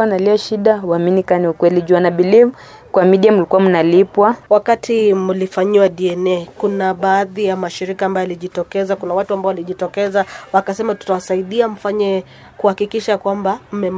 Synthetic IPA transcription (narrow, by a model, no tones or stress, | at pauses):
analiaʃiɗawaminikaniukwɛliʄuanaɓiliv | kwamiɗiamulikuwamunalipwawakatʰimulifaɲiwaɗiɛnɛkunaɓaːðijamaʃiɾikaːmbajɔaliʄitɔkɛzakunawatuambaɔwaliʄitɔkɛzawakasɛmatu̥tawasaiɗiam̩faɲɛ | kuhakikiʃakwambam̩mɛm